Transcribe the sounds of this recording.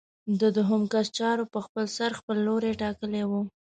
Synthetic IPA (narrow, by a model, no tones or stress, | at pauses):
d̪əd̪ʊɦʊmkast͡ʃɑɾopəxpəlsaɾxpəlːoɾeʈɑkəlewu